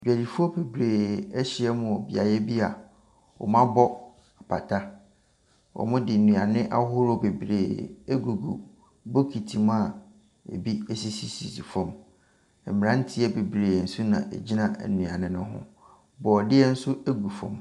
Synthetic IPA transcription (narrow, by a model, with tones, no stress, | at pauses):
d͡ʑᶣæ˨di˨fu˦ɔ˦pʰe˨bɾeː˨ɛ˦ɕɪ˦ɛ˦mʊ̃˨ɔ˨bi˨a˨jɛ˦bi˦a˨ | ɔ̰˨mã˦bɔ˦ | a˨pʰa˨tʰa˦ | ɔ̰˨mʊ̃˦dɪ˨nũ˨a˨nɪ̃˦ʔa̰˦ɦʊ˦ɾʊ˦˨be˨bɾḛː˨ɛ˦ɡu˨ɡṵ˨ | bo˦kʰi˨tʰi˨mʊ̃˦a˨ | ḛ˨bi˦ɛ˦si˨si˦si˨si˨fɔ̃˦m | m̩˨mɪ˨ɾã˦n̩˦tʰɪ˦ɛ˦be˨bɾeː˨n̩˨sʊ˦nã̰˨ʔḛ˨d͡ʑi˦nã̰˨nũ˨a˨nɪ̃˦nʊ̃˦ɦʊ̰̃˦ | bɔ˨dɪ˦ɛ˦n̩˦sʊ˦æ˦ɡu˨fɔ̰̃˨m